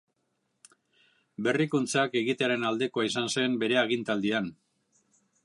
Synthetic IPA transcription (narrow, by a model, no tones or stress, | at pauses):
be̞rikunt͡sake̞ɣit̪eaɾe̞nald̪e̞ko̞aisanse̞mbe̞ɾe̞aɣ̞int̪ald̪ian